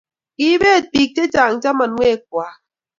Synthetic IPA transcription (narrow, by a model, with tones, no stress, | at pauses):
ki˦be˦˨t̚pi˨k̚te˦t͡ʃa˨ŋ̩˨t͡ʃa˦ma˨n˦ŋʷe˦˨k̚wa˨˦